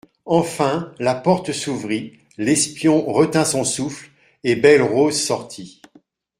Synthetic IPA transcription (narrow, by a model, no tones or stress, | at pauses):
ɑ̃fɛ̃lapɔʁt̪əsuvʁi | lɛspjɔ̃ʁət̪ɛ̃sɔ̃sufl | ebɛlʁozsɔʁt̪ʰi